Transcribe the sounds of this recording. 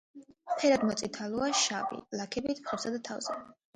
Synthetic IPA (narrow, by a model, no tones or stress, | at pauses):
pʰɛɾad̪mɔt̪sʼit̪ʰalˠuaʃavḭlakʰɛbit̪ʰpχɔpsad̪at̪ʰa̰vz̥ɛ